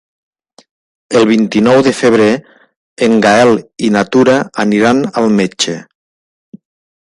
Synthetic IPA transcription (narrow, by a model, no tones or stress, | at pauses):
əlˠβ̞int̪inɔwðəfəβ̞ɾe | eŋɡaɛlinat̪uɾaːniɾanalˠmet͡ʃe